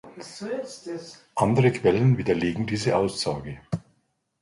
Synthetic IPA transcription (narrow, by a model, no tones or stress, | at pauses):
ʔandəʁəkʰv̥ɛlənviːdɐleːɡŋ̩diːzəʔaʊsz̥aːɡə